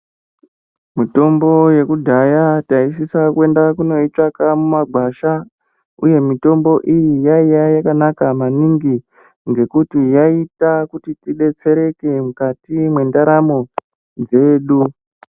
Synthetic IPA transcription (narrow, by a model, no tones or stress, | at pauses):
mito̞mbo̞je̞kudʱajataisisakue̞ndakuno̞it͡ʂakamumaɡʱwaʃa | ṵje̞mito̞mbo̞ʔijijaijajakanakamaniŋɡi | ŋɡe̞kutijaitakutitiɗe̞t͡se̞ɾe̞ke̞mukatimwe̞ndaɾamo̞ | d͡ze̞ːɗu